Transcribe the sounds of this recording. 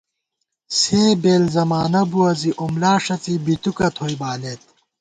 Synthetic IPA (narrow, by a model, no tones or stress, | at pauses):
seːbeːlzɐmaːnɐbuɐziʔomlaːʂɐt͡sibit̪ukɐt̪ʰoːjbaːlet̪̚